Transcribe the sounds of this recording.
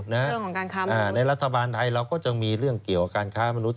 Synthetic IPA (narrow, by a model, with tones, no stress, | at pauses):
na˦˥ʔəŋkʰɔː˩˦kaː˧nkʰaː˦˥aː˩n˧na˧jɾa˦˥t̪ʰːa˧baː˧nt̪ʰa˧jɾa˧wkɔː˥˩t͡ɕa˧ŋmiː˧ɾɯ˥˩əŋki˨˩əwʔakaː˧nkʰaː˦˥ma˧nu˦˥t̪̚